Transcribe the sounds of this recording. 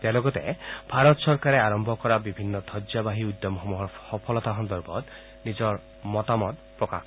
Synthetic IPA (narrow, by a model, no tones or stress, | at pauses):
t̪ealɔɡɔt̪ḛbʱaɾɔt̪sɔɾkaɾeaɾɔmbʱɔkɔɾabibʱinːɔt̪ʰɔd͡ʒabaɦiud̪ːɔmxɔmuɦɔhɔpʰɔlɔt̪aɦɔnd̪ɔɾbɔt̪ | nid͡ʒɔɾ | mɔt̪amɔd̪pɾɔka̰k